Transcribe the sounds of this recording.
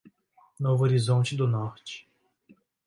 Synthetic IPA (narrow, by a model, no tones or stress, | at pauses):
novʊoɾizõnt͡ʃɪd̪ʊnɔɾt͡ʃɪ̥